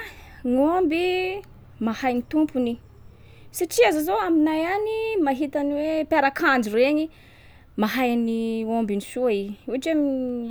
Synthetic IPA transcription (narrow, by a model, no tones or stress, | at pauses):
ŋombi | mahajnit̪umpuni | saʈ͡ʂiazazoaminajanimaɦit̪aniwepaɾakʰand͡ʒireɲi | maɦajniombinisuaiuaʈ͡ʂami